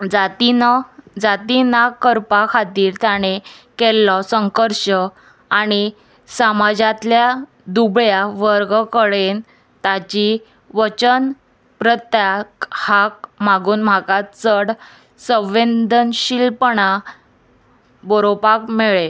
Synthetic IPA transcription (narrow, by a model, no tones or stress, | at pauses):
d͡zat̪ind͡zat̪inakəɾpakʰat̪iːɾt̪aɽ̃ekelːɔsəŋkəɾɕə | aɽ̃i | samad͡ʑãt̪lja | d̪ubɭjaʋəɾɡkəɭen | t̪at͡ɕi | ʋət͡ɕən | pɾət̪jakhak̚maɡuːnm̤akat͡səɽ | sə̃ʋend̪ənɕilpɳa | bɔɾopakmeɭe